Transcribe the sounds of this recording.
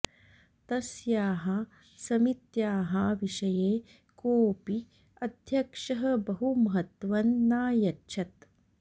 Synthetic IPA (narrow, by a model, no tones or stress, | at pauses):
t̪ɐsjaːɦɐ | sɐmit̪jaːɦɐʋiʃɐjeː | koːpi | ɐd̪ʱjɐkʂɐɦɐbɐɦumɐɦɐt̪ʋɐnːaːjɐtːʃʰɐt̪̚